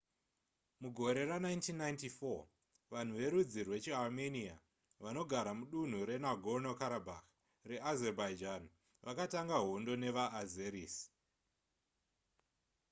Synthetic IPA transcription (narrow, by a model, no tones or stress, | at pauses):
muɡʱo̞ɾe̞ɾanaintinːajntifo | ʋan̤uʋe̞ɾud͡zirwe̞t͡ʃialmenia̰ | ʋano̞ɡʱaɾamuɗun̤uɾe̞naɡʱonokaɾabʱax | re̞azerbaid͡ʒan | ʋʔakataŋɡaɦo̞ndo̞ne̞ʋaːzeɾiːsi̥